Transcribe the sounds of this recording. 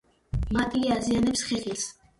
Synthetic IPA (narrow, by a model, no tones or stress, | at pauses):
mat̪ʼiazianɛpsχɛχis